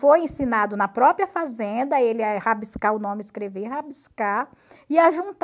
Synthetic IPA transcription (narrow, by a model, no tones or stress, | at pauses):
fojẽsĩnad̪ʊnɐpɾɔpɾiɐfazẽnd̪ɐelɪɛhabiskaʊnõmɪskɾeveɦabiska | ɪaʒũnt̪